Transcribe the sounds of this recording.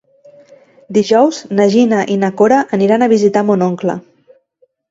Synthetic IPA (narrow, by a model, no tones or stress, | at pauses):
d̪iʒɔwznəʒinəʔinakoɾəʔəniɾanəβ̞izit̪amonoŋklə̰